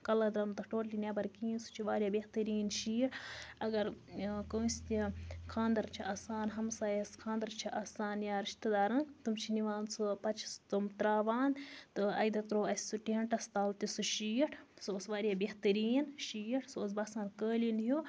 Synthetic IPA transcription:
kɐlɐd̪ɾɐmt̪ɐʈoːʈlinʲebɐɾkiːnsu̥t͡ʃʰiʋaːɾʲjaːbʲeht̪ɐɾiːnʃiːʈʰɐɡɐɾkoːsʲt̪ikʰaːnd̪ɐɾt͡ʃʰiʔɐsaːnɦɐmsaːjeskʰãːnd̪ɐɾt͡ʃʰiʔɐsaːnjaːɾiʃt̪ɐd̪aːɾɐnt̪umt͡ʃʰiniʋaːnsupɐt͡ʃʰist̪umt̪ɾaːʋaːnt̪ɨɐ̰jd̪ɐt̪ɾoːɐsʲsuʈiɦɐɳʈɐst̪aːlt̪isuʃiːʈʰsuosʋaːɾʲjaːbeht̪ɐɾiːnʃiːʈʰsuos̬bɐsaːnkəːlinɦu

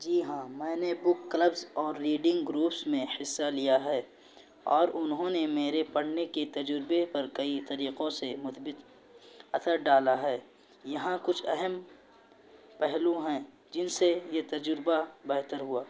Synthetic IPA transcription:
d͡ʒiːɦãːmɛ̃ːnebʊkːləbzɔːɾːiːɖɪ̃ŋɡɡɾuːpsmẽhɪsːalijaɦɛː | ɔːɾʊnɦõːnemeːɾepɐɽ̤neket̪ɐd͡ʒɾɪbepɐɾkɐit̪ɐɾiːqõsemʊt̪bɪt̪ | ɐt̪ʰəɾɖaːlaɦɛː | jɐɦãkʊt͡ʃʰɛɦɛm | pɛɦlũɦɛ̃ | d͡ʒɪnsejet̪ɐd͡ʒɾbabɛːɦt̪əɾɦuaː

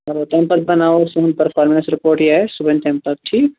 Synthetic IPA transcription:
ɐɾot̪ɛ̃mpət̪̚bɐnaːosʊ̃npɐɾfʰaːɾmənsɾɪpoːɾʈjeɦɛsʊbə̃nt̪ɛ̃mpət̪̚ʈʰiːk

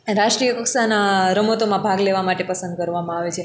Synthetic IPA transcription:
ɾaʃʈɾijəkəksanaɾəmot̪omãbʱaɡleʋamaʈepəsə̃nd̪̚kəɾʋamãaʋet͡ʃʰe

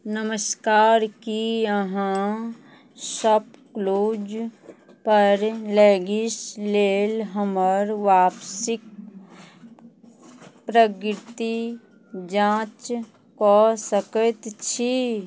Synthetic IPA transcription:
nəməskaːɾkiəɦã | səpkloːd͡ʒ | pəɾleːɡɪsleːlɦəməɾʋaːpsɪk̚ | pɾəkɾɪt̪i | d͡ʒãːt͡ʃ | kɔsəkət̪t͡ʃʰi

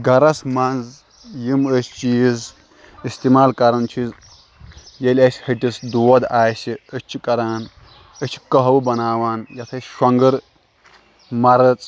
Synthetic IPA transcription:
ɡɐɾɐsmanz | jiməsʲt͡ʃiz | ist̪imaːlkɐɾɐnt͡ʃʰiz | jɐlʲɐsʲhiʈʲisd̪uwɐd̪aːʃiət͡ʃʰikɐɾaːn | ɐt͡ʃʰi̥kɐɦɐwbɐnaːʋaːnjɐt̪ʰɐsʃɐŋɡɨɾ | mɐɾɐt͡sʼ

